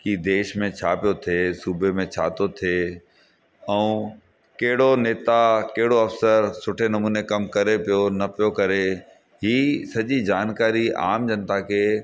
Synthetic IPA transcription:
kid̪eːʃmẽt͡ɕʰaːpijot̪ʰeːsuːbemẽt͡ɕʰa̰ːt̪ot̪ʰeː | ɛ̃ũ | kɐɦɪɽoneːt̪akɐɦɪɽoɐfsəɾsʊʈʰenɐmuːnekɐmkɐɾepijonɐpijokɐɾe | ɦiːsɐʄid͡ʑaːnkaːɾia̰ːmd͡ʑɐ̃nt̪ake

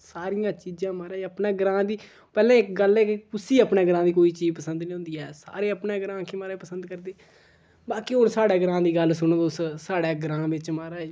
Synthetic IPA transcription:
saːɾɪjãːt͡ʃiːd͡ʒãːmaːɾaːəpneːɡəɾãːd̪iː | pɛːlɛ̃ːɪkɡəlɛːkekʊsiːəpɳeːɡəɾãːd̪iːkoːiːt͡ʃiːzpəsənd̪nĩːɦʊ̃nd̪iːɛːsa̰ːɾeːəpɳeːɡɾãːkʰemaːɾeːpəsənd̪kəɾd̪eː | baːkiɦʊɾsaːɽeːɡəɾãːd̪iːɡəlsʊnõːd̪ʊssaːɽeːɡɾãːʋɪt͡ʃmaːɾaː

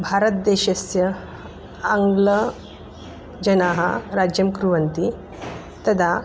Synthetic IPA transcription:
bʱaɾət̪̚d̪eɕɐsjɐ | aŋɡlə | d͡ʑɐnaɦaɾad͡ʑjɐmkɾuʋɐnt̪i | t̪ɐd̪ʱa

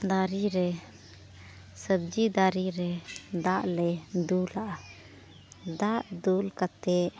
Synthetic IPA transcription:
d̪aɾiɾɛ | səb̚d͡ʒid̪aɾiɾɛd̪aʔlɛd̪ulaʔa | d̪aʔd̪ulkat̪ɛʔ

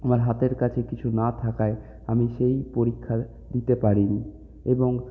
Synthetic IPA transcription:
amaɾɦat̪eɾkat͡ɕʰekit͡ɕʰunat̪ʰakae | amiʃejpoɾikʰːa | d̪it̪epaɾini | eboŋ

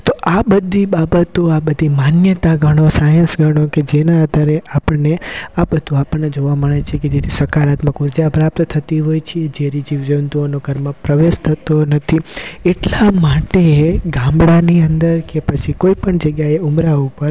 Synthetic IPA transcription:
t̪oʔabəd̪ʱːibabət̪oabəd̪ʱimanjət̪aɡʱəɽ̃osajə̃nsɡʱəɽ̃oked͡ʒenãəd̪ʱaɾeʔapəneabəd̪ʱoapəɳnːed͡ʒoʋaməɭet͡ʃʰeked͡ʒet̪ʰisəkaɾat̪məkuɾd͡ʒapɾap̚t̪t̪ʰət̪iɦojt͡ʃʰed͡ʒeɾid͡ʒiʋd͡ʒənt̪uonoɡʱəɾmãpɾəʋeʃt̪ʰət̪onət̪ʰieʈlamaʈeɡãmbɽaniənd̪əɾkepət͡ʃʰikoipəɳd͡ʒəɡjaeumɾaupəɾ

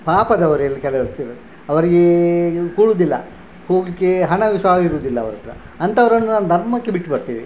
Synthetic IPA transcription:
paːpɐd̪ɐʋɐɾuɛlːɐkɛlɐʋɐst̪iɾɐd̪u | ɐʋɐɾiɡekuːɭuːd̪ilːɐ̰ | ho̞ːɡlikːeɦɐɳɐʋiʃɐʋaːɡiɾuːd̪ilːɐːʋɐɾɐt̪ɾɐ̰ | ɐnt̪ɐʋɐɾɐnːunaːnud̪ʱɐɾmɐkːebiʈːbɐɾt̪iːʋi

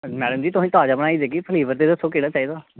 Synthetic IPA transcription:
mɛːɖəmd͡ʒiːt̪ʊɦĩːt̪aːd͡ʒaːbəɽ̃aːid̪eːkiːpʰəliːbəɾt̪eːd̪əsːõːkeːɽaːt͡ʃaːiːd̪aː

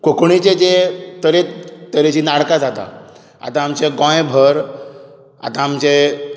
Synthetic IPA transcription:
kokɳit͡ɕed͡ʑet̪əɾet̪əɾet͡ɕiːnaɽkad͡zat̪a̰ | a̰t̪ãːmt͡ɕeɡɔ̃jbʱəɾ | a̰t̪aːmt͡ɕe

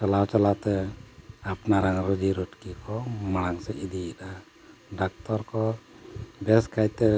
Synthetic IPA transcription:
t͡ʃalawt͡ʃalat̪ɛ | apnaɾaŋɾɔd͡ʒiɾuʈkikʰɔmaɽ̃aŋsɛʔid̪iɛt̪a | ɖak̚t̪ɔɾkɔ | bɛskajt̪ɛ

